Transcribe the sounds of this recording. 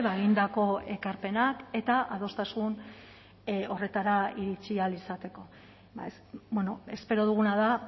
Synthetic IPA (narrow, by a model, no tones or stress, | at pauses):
βaeɣind̪ako̞e̞kaɾpe̞nake̞t̪aʔað̞o̞st̪asun | o̞re̞t̪aɾaiɾit͡sialisat̪e̞ko̞ | a̰ | bweno̞e̞spe̞ɾo̞ð̞uɣ̞unaða